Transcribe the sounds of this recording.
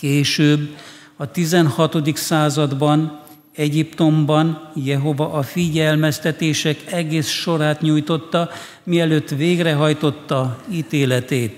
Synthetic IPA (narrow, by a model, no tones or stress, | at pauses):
keːʃøːbː | ɒt̪izɛnhɒt̪o̞d̪iksaːzɒd̪bɒn | ɛɟipt̪o̞mbɒnjɛɦo̞vɒʔɒfiɟɛlmɛst̪ɛt̪eːʃɛkɛɡeːsʃo̞ɾaːt̪ɲuːjt̪o̞t̪ːɒ | miɛløːt̪ːʋeːɡrɛɦɒjt̪o̞t̪ːɒiːt̪eːlɛt̪eːt̪